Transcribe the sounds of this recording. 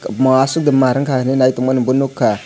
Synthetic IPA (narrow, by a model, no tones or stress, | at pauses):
mawasuk̚dəmaɾaŋkanenaitumʷanbunukːa